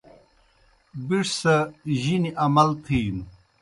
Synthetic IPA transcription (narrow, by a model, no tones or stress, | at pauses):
biʂsɐʑiniʔɐmɐlt̪ʰiːn